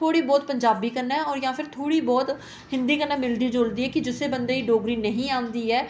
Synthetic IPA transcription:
oːɽiːbɔːt̪̚pəɲd͡ʒaːbiːkəɾnaːɔːɾjãːpʰɪɾt̪ʰoːɽiːbɔːt̪ | ɦɪ̃nd̪iːkənãːmɪld̪iːd͡ʒoːld̪iːɛːkɪd͡ʒɪseːbənd̪eːiːɖoːɡɾiːnəɦĩːãːnd̪iːɛː

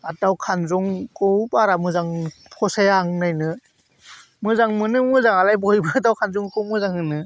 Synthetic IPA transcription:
atawkʰanzɔŋkɔwbaɾamɯzaŋpʰɔsajaŋnajnɯ | mɯzaŋmɯnɯmɯzaŋalajbɔjbɯadawkʰanzuŋkʰɯwmɯzaŋhɯnɯ

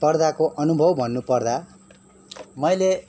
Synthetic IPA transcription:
pʌrd̪akoʔʌnubʱʌwbʱʌnːupʌrd̪a | mʌjle

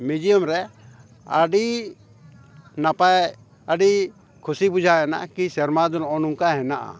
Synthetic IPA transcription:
mid͡ʒijɔmɾɛ | aɖi | napaj | aɖi | kʰusibud͡ʒʱaɛna̰kisɛɾmad̪ɔlɔɔnuŋkaɦɛnaʔa̰

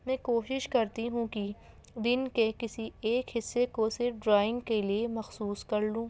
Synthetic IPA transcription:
mɛ̃ːkoːʃɪʃkɐɾt̪iɦũki | d̪ɪnkekɪsieːkɦɪsːekosɪɾɖɾaːɪ̃ŋɡkeliemɐxsuːskɐɾlũː

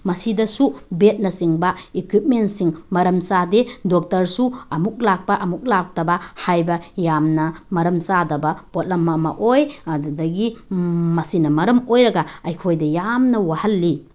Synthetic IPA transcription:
mɐsidɐsubet̚nɐsiŋbaikwip̚mentsiŋmɐɾɐmsadedok̚tɐɾsuɐmuk̚lak̚pɐʔɐmuk̚lak̚tɐbɐhajbɐjamnɐmɐɾɐmsadɐbɐpot̚lɐmːɐmɐ̰ʔojdɐɡimɐsinɐmɐɾɐmojɾɐɡaɐjkʰojdɐjamnɐwahɐlːi

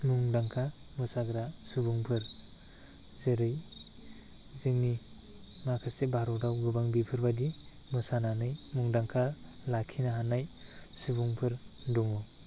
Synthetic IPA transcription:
muŋdaŋkʰa | mɯsaɡɾasubuŋpʰɯɾ | zeɾɯj | zeŋni | makʰasebʱaɾɔdawɡɯbaŋbipʰɯɾbadi | mɯsananɯjmuŋdaŋkʰalakʰinaɦanaj | subuŋpʰɯɾ | duŋɔ

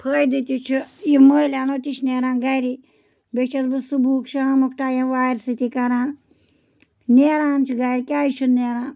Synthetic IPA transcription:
pʰəːjd̪it̪ʲit͡ʃʰujiməːlaːnoːt̪it͡ʃʰneːɾãːnɡɐjɾi | bet͡ʃɐɾbɨsubʱuːkʃamukʈaːjɐ̃ʋaːjɾsit̪ikɐɾaːn | neːɾaːnt͡ʃʰiɡɐjɾikʲaːjt͡ʃʰunneːɾãːn

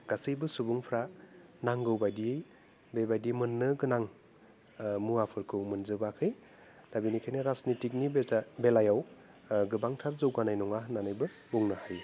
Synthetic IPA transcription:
ɡ̥asɯjbɯsubuŋpʰɾanaŋɡɯwbajdijej | bebajdimɯnːɯɡɯnaŋ | muapʰɯɾkʰɯwmɯnzɯbakʰɯj | labinikʰajnɯɾasnitik̬̚nibelajaw | ɡɯbaŋtʰaɾzɯwɡanajnɔŋaɦnanɯjbɯ | buŋnahaj

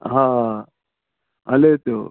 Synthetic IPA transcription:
ɦãː | ɐlet̪o̰

